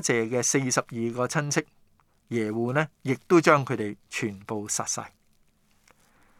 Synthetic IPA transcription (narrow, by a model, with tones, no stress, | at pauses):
t͡sɛː˨kɛː˧se˧jsɐ˨p̚jiː˨˧kɔː˧t͡sʰɐ˥nt͡sʰɪ˥k̚ | jɛː˨˩wuː˨nɛː˥jɪ˨k̚t̪o˥wt͡ʃœː˥ŋkʰɵ˨˧ɥt̪e˨jt͡ʃʰyː˨˩npo˨˧wsɐ̰ː˨t̚sɐ̰˨j